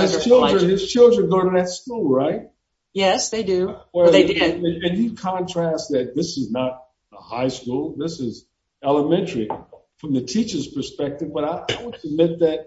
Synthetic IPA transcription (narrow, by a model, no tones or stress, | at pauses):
ɨz̥t͡ʃʰɪlˠdɹə̃nɪz̥t͡ʃʰɪlˠdɹə̃nɡoʊ̃ɾəðɨtskulˠɹaɪt̚ | jɛsðeɪdʉwɛðeɪdɪdɨ̃ɨ̃njɨkʰɑ̃ntʰɹ̥æst̚ðɨt̪̚ðɪsɨznəɾ̚ | əhaɪskulˠðɪsɪz | ɛlˠəmɛ̃ntə˞i | fɹʌ̃mðɨtʰit͡ʃə˞z̥pʰə˞spɛk̚tɨvbʌɾaɪʔaɪwʌɨd̚mɪt̪̚ðɨt̚